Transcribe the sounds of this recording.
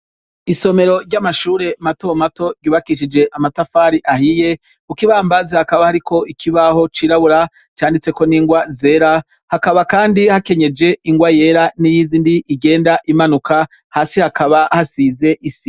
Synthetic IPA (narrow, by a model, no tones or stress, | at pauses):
iso̞me̞ɾo̞ɾɟamaʃuːɾe̞matomato̞ɟuːβakiʃid͡ʒe̞ʔamatafaːɾiʔahije̞ | ukiβaːmbazehakaβahaɾikʰo̞ʔikʰiβaho̞t͡ʃiɾaβuɾa | t͡ʃaːndit͡se̞ko̞niːŋɡwaze̞ːɾa | hakaβakaːndihake̞ɲe̞d͡ʒe̞ʔiŋɡwaje̞ːɾanijiziːndiʔːɡe̞ːndaʔimanuka | haːsihakaβahasize̞ʔisi